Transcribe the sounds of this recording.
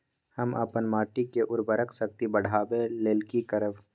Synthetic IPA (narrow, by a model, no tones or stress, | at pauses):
həmə̰pənmaːʈikeʔʊɾbəɾəksək̚t̪ibəɽ̤ʱaːbeleːlkikəɾəb